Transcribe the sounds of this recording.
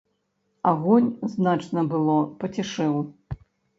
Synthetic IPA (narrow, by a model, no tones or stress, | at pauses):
aɣɔnʲznat͡ʂnɐbɨlˠɔpɐt͡sʲɛʂɨw